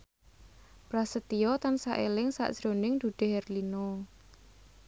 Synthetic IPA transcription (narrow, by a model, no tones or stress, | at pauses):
pɾasət̪ijɔt̪ansaʔelɪŋsa̰ʔd̥ʒ̥ɾonɪŋd̪̥uɖ̪̥e̤hɦɛrlino